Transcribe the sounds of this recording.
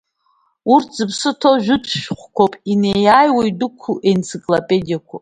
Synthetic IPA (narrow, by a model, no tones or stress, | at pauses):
urtʰz̥ɨpʰsɨtʰoʒᶣʊtʰʃᶣχʷkʷʰopʼinejaːjwejdɨkʷʰuʔent͡sʰikʼlopʼedijakʷʰa